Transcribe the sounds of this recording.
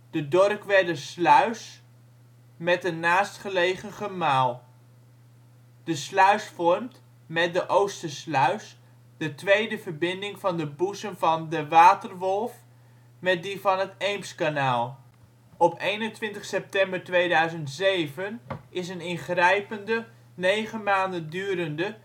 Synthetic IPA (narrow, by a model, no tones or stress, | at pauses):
d̥ədɔrkʋɛdəslœɥs | mɛtənaːstχəlejχəχəmaːlˠ | d̥əslœɥsfɔrmt | mɛt̚dəʔowstəslœɥs | dətʋejdəvərbɪndɪŋvɑndəbusənvɑndəʋaːtərʋɔlˠf | mɛt̚divɑnɦətejmpskanaːlˠ | ɔpejnəntʋɪntəχsɛp̚tɛmbəɹtʋejdœɥzəntsejvənɪsənɪnχrɛjpəndə | nejχənmaːndəndyːɾəndə